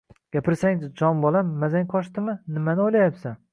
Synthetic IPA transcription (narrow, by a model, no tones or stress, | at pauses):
ɡ̥ʲapʰɪɾsaŋd͡ʒɪd͡ʒɒmbɒlamːazaŋqʰɒʃt̪ɪmɪnɪmanɪojlajapsan